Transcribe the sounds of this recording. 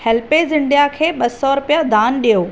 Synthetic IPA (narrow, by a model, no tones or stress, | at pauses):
hɛlpezɪ̃ɳɖijakʰeːɓɐsɔɾʊpijad̪ʱaːnɗijoː